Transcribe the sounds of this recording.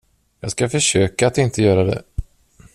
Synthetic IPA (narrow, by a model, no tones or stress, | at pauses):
jɑ̰ːɡskafœʂøːkaːt̪ɪnt̪ʰəjœːɾad̪ɛ̰